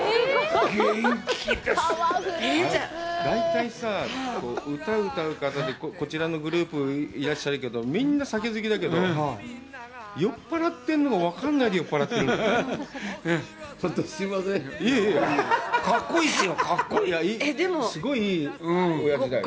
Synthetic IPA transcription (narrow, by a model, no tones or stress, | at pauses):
ɡekʰʲit̪e | ad̪ãit̪aisako̞ːʔɯ̟t̪aɯt̪aɯ̟kat̪ad̪e̞koko̞t͡ɕiɾano̞ɡɯ̟ɾɯ̟ːpɯ̟iɾaɕːaɾɯ̟ke̞d̪o̞mʲĩnːasake̞zɨkʲid̪ak̬e̞d̪o̞ | jo̞pːaɾat̪ːẽ̞nːo̞ɡaβakanːaid̪ejo̞pːaɾat̪ːẽnː | t͡ɕot̪ːosimasẽoeː | kakːo̞iːsɨjo̞kʰakːojaiːed̪emosɨɡo̞iĩːojaid̪ai